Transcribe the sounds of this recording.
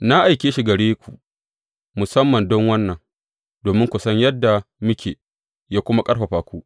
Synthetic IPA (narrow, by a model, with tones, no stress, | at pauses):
na˦ʔa˨jkʲeː˦ʃi˦ɡɐ˨ɽeː˦kʷu˨ʔ | mʊ˨sɐ˦mːɐ˨ndɔ˦ŋwɐ˦nːɐ˨ŋ | doː˨mɪ˦ŋkʷʊ˨sɐ˦ɲjɐ˦dːa˨mʊ˦kʲʰḛː˨ | jaː˦kʷʊ˦ma˦kʼɐ˦ɽɸɐ˨ɸaː˨kʷuː˦ʔ